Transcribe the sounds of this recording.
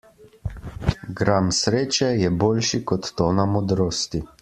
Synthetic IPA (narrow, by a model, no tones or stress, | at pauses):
ɡɾamsɾeːt͡ʃɛjɛboːlʃikɔt̪ːoːnamɔd̪ɾoːst̪i